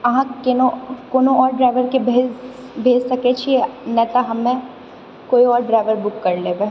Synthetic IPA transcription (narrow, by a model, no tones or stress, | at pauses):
ɐɦãkenokoːnoɔːɾɖɾaːɪʋəɾkebʱeː | bʱeːd͡ʒsɐket͡ʃʰienɛt̪aɦɐmːẽ | koːiɔːɾɖɾaːɪʋəɾbʊkːɐɾleʋeː